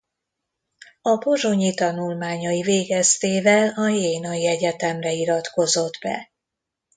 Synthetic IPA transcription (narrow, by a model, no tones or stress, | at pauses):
ɒbo̞ʒo̞ɲit̪ɒnulmaːɲɒiveːɡɛst̪eːvɛlɒjeːnɒiɛɟɛt̪ɛmrɛiɾɒt̪ko̞zo̞d̪bɛ̰